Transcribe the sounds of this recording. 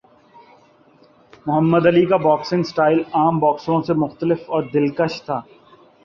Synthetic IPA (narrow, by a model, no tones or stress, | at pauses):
mʊɦəmːəd̪ɐlikabɔːksɪ̃ŋsʈaːɪlaːmbɔːksõsemʊxt̪əlɪfɔːɾd̪ɪlkəʃt̪ʰːaː